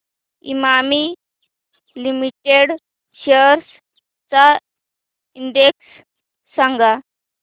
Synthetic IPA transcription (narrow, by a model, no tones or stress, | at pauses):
ḭmami | limiʈeɽ | ɕeɾs | t͡sa | iɳɖeksː | aŋɡa